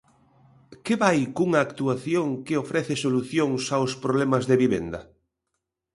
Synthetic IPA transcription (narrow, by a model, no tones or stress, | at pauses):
keβajkuŋaːkt̪uaθjoŋkeofɾɛθɪsoluθjoŋsawspɾoβlɛmazðeβiβḛnd̪ɐ